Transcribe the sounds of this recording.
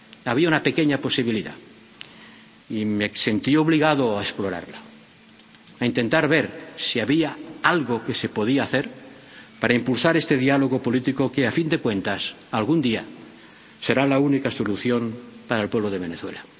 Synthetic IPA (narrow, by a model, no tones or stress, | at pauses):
aβ̞iaunape̞ke̞ɲapo̞siβ̞iliða̰ | imese̞nt̪io̞βliɣaðoaesplo̞ɾa̰ɾla | aint̪e̞nt̪aɾβe̞ɾsiaβiaalɣoke̞se̞po̞ð̞iaːθe̞ɾ | paɾaimpulsaɾe̞st̪e̞ðialo̞ɣo̞po̞lit̪iko̞keafind̪e̞kwe̞nt̪as | alɣund̪ia | se̞ɾalaunikaso̞luθjo̞mpaɾaelpwe̞βloðe̞β̞e̞neθwe̞̰la